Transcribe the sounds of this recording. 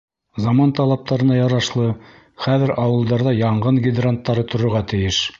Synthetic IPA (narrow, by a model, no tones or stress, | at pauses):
zɑmɑnt̪ɑlˠɑp̚t̪ɑɾɤ̆nɑjɑɾɑʃlˠɤ | χæðɘɾʔɑwɤ̆lˠd̪ɑɾðɑjɑɴʁɤnɡʲɪd̪rant̪ːɑɾɤt̪ŏɾŏɾʁɑt̪ɘ̆jɘʃ